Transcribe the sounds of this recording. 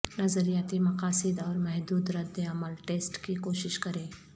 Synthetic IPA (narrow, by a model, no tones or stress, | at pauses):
nɐzəɾijat̪imɐqaːsɪd̪ɔːɾmɛɦd̪uːd̪ɾɐd̪eɐməlʈeːsʈkikoːʃɪʃkɐɾẽː